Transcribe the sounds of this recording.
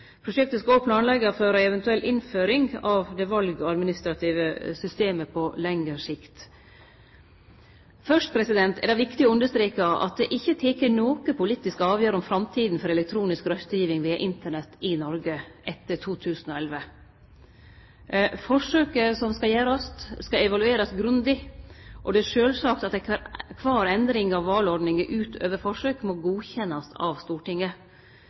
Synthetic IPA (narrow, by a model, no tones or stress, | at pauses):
pʰɾʊʂɛk̚t̪əskɑɔpʰlɑːnlɛɡːəføːɾæɛʋɛnt̪ʉɛlʔɪnføːɾɪŋɑʋd̪ɛʋɑlɡɔɑd̪mɪnɪst̪ɾɑt̪ʰiːʋəsʏst̪eːməpʰɔlɛŋəɾʂɪkt̪ | fœʂʈ̚pʰɾɛsɪd̪ɛnt̪ɛ̰ɖ̪ɑɪʋɪkt̪ɪɔʉnd̪əʂt̪ɾeːkɑɑ̰t̪̚d̪ɛʔɪçːət̪ʰeːkəɳoːkəpʊliːt̪ːɪskəɑːʋjøːɾɔmfɾɑmt̪ʰiːd̪n̩fɔɾɛlɛk̚t̪ʰɾuːnɪskɾœst̪əjiːʋɪŋʋiːɑ̰ʔɪnt̪əɳɛt̪ːɪnɔɾɡəʔɛt̪ːəʈʰuːt̪ʰʉːsn̩ɔɛlʋə | fɔʂøːkəsɔmskɑjæːɾɑst̪skɑɛʋɑlʉeːɾɑsɡɾʉnd̪ɪʔɔd̪ɛæʂøːlsɑːkt̪ɑt̪̚d̪ækʰʋɑːɾɛnd̪ɾɪŋɑʋːɑːlɔɖɳnɪŋəʔʉːt̪ʰø̰ːʋəɾfɔʂøːkmoɡuːçɛnːɑsɑ̰ʋst̪uːʈɪŋːə